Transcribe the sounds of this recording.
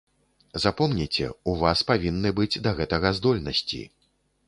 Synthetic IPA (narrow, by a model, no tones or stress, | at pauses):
zapɔmnʲit͡sʲɛ̰uvaspavʲinːɨbɨd͡zʲd̪ɐɣɛt̪ɐɣɐzd̪ɔlʲnɐsʲt͡sʲḭ